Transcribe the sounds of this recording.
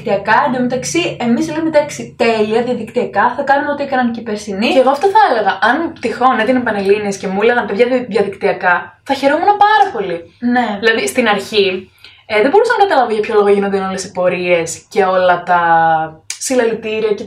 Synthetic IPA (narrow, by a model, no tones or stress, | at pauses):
t̪iɐkɐnemet̪ɐksie̞misleumet̪ɐksit̪e̞liɐðiɐðikt̪iɐkɐθɐkɐnumeo̞t̪iekɐnɐncipeɾsinieɣoɐft̪oθɐele̞ɣɐʔɐnpt̪ixo̞net̪inepɐnelinesce̞muleɣɐnpeðʝɐðiɐðikt̪iɐkɐθɐçe̞ɾomunɐpɐɾɐpo̞line̞ðilɐðist̪inɐɾçi | ðebo̞usɐmenɐt̪ɐlɐvoʝɐpço̞lo̞ɣoʝinond̪ino̞lesi̥po̞ɾie̞sce̞o̞lɐt̪ɐ | silɐlit̪iɾiɐce